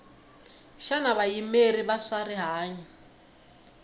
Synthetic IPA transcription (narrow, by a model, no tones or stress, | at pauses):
ʃanaβajimeriβasariɦaːɲa